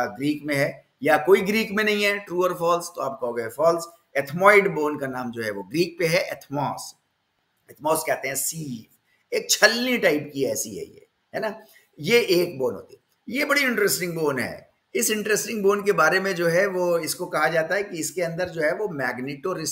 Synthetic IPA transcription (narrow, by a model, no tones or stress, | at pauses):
ɡɾiːkmẽɦɛ | jakoːiɡɾiːkmẽnɐɦĩɦɛʈɾuːəɾfɔːlst̪oaːp̚kɐɦoːɡɐɛfɔːls | ɛt̪ʰmɔːɪɖboːnkanaːmd͡ʒoːɦɛʋoɡɾiːk̚peɦɛʔɛ̰t̪ʰmɔːs | ɛt̪ʰmɔːskɛɦt̪ẽɦɛ̃siː | eːk̚t͡ʃʰɐlnĩʈaɪpkiɛːsḭɦɛ̰jḛː | ɦɛ̰ːna | jeʔeːk̚boːnɦo̰ːt̪iɦɛ | jebɐɽiɪ̃ɳʈɾɛsʈɪ̃ŋɡboːnɦɛ̰ː | ɪsɪ̃ɳʈɾesʈɪ̃ŋɡboːnkebaːɾemẽd͡ʒoːɦɛʋoɪskokɐɦad͡ʒaːt̪aɦɛkiɪskeɐ̃nd̪əɾd͡ʒoːɦɛʋomɛːɡnɪʈoːɾɪs